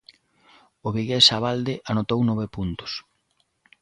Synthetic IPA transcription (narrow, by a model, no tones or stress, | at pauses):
ʊβiɣesaβald̪ɪʔanot̪ownɔβepunt̪ʊ̥s